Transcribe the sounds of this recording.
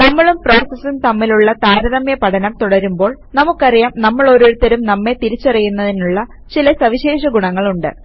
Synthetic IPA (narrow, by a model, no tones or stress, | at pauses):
nɐmːɐɭumpro̞ːsɐsːunt̪ɐmːiluɭːɐt̪aːɾɐðɐmjɐpɐʈʰɐnɐmt̪uɽɐɾumbo̞ːɭnɐmukːɐrijaːmnɐmːɐɭo̞ɾoɾut̪ːɐɾumnɐmːe̞t̪iɾit͡ɕːɐrijunːɐðinuɭːɐ | t͡ɕilɐsɐʋiɕe̞ːʂɐɡuɳɐŋːɐɭuɳɖɨ̰